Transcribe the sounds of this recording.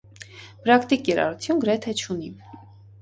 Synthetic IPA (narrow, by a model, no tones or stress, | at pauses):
pɾɑkt̪ikjɛɾɑ̰ɾut͡s̪ʰjunɡəɾɛt̪ʰɛt͡ʃʰuni